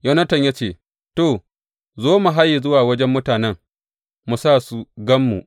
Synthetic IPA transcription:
jɐ˦nɐ˦tɐ˨ɲja˦t͡ʃeː˦˨ | toː˨ | zoː˦mu˨ɦa˦ji˨zʊ˦waː˨wɐ˦d͡ʒɛ˦mːʊ˦taː˨nɛ˦ŋ | mu˨saː˦˨su˦ɡɐ˦mːṵ˨ʔ

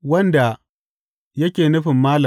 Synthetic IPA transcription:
wɐ˦nda˨ | jɐ˦kʲeː˨nʊ˦ɸɪ˨mːaː˦lʊ˨

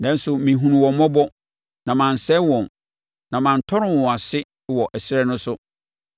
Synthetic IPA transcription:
nɛ̃˨˦n̩˦sʊ˨mĩ˨ɦũ˨nũ˨wɔ̃˨˦mɔ̃˦bɔ˦ | nã˨mã˨n̩˨sɛ˦wɔ̃˨n | nã˨mã˨n̩˨tʰɔ˦ɾɪ̃˦wɔ̃˨a˨sɪ˦ | wɔ˨ʔæ˨sɪ˦ɾɛ˦nʊ̃˦sʊ˦

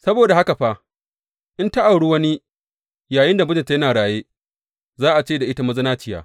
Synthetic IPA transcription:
sɐ˦boː˨da˨ha˦ka˨ɸa˦ | ʔɪ˦nta˦ʔa˨wɽu˦wɐ˦ni˦ | jaː˨jɪ˦nda˨mʊ˦d͡ʒɪ˨nta˨˦jɐ˦naː˨ɽaː˨jeː˦ | zaː˦ʔa˨t͡ʃeː˦da˨ʔɪ˦ta˦mɐ˦zɐ˦naː˦t͡ʃɪ˦ja̰ː˨

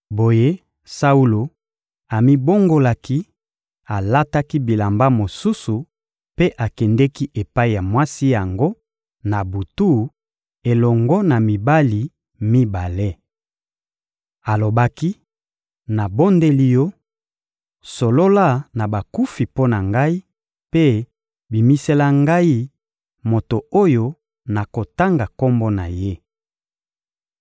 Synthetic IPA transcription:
bo˨je˦ | sa˦u˦lo˨ | a˨mi˦bo˦ŋɡo˦la˦ki˦ | a˨la˦ta˦ki˦bi˨la˨mba˦mo˨su˦su˨ | pe˦ʔa˨kɛ˨ndɛ˦ki˦ʔe˨pa˦i˨ja˨mwa˦si˦ja˨ŋɡo˦ | na˨bu˨tu˦ | e˨lɔ˨ŋɡɔ˦na˨mi˨ba˦li˨ | mi˦ba˨le˦ | a˨lo˨ba˦ki˦ | na˨bo˦nde˦li˦jɔ˦ | so˨lo˦la˦na˨ba˨ku˦fi˨po˦na˨ŋɡa˦i˦ | pe˦ | bi˨mi˦se˦la˦ŋɡa˦i˦ | mo˨to˨o˦jo˦ | na˨ko˨ta˦ŋɡa˨ko˦mbɔ˦na˨je˦

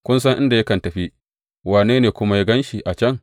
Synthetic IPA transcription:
kʷʊ˦ns̬ɐ˦ŋʔɪ˦nda˨jɐ˦kɐ˨ntɐ˨ɸi˦ | waː˨neː˦neː˨kʷʊ˦ma˦ja˦ɡɐ˦nʃi˨ʔa˨t͡ʃɐ˦ŋ

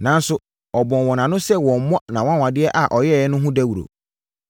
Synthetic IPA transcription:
nã˨n̩˦sʊ˦ | ɔ˨bɔ̃˨nwɔ̃˨nã˨nʊ̃˦sɛ˦wɔ̃˨m˨mɔ̃˦nã˨wɔ̃˦a˦wã˨dɪ˦ɛ˦ʔa˨ʔɔ˨jɛ˦˨ɛ˦nʊ̃˦ɦʊ̃˦dæ˦wu˨ɾo̰˨

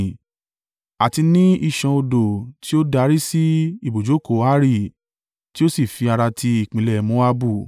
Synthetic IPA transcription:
a˨ti˧nĩ˦i˦˨ʃã˧o˧do˨ti˦o˦da˧˦ɾi˦si˦i˦˨bo˨d͡ʒo˨˦ko˨˦a˦ɾi˦˨ | ti˦o˦si˦˨fi˧a˧ɾa˧tʰi˧i˦˨k͡pĩ˨lɛ˦˨mõ˨˦a˦bu˦˨

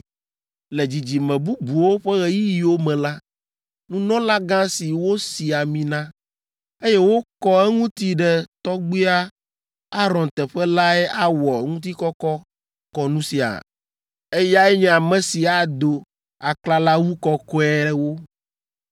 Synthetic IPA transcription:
le˨d͡ʑi˨d͡ʑi˨mɛ̃˨bu˦bu˨wo˦ɸɛ˦ɣɛ˦ji˦ji˨wo˦mɛ̃˨la˦ | nũ˦nɔ̃˦la˦ɡã˦si˨wo˦si˨a˨mĩ˨nã˦ | e˦jɛ˦wo˦kɔ˦ɛ˦ŋũ˦t̪i˦ɖɛ˦t̪ɔ˦ɡ͡bi˦a˦ | a˦ɾɔ̃˨nt̪ɛ˨ɸɛ˦la˦ɛ˦ʔa˦wɔ˨˦ŋũ˦t̪̬i˦kɔ˦kɔ˦ | kɔ˦nũ˦si˨a̰˨ | e˦ja˦ɛ˦ɲɛ̃˦a˨mɛ̃˨si˨a˨d̪o˨ | a˨kla˦la˦wu˦kɔ˦kɔ˦ɛ˦wo˦

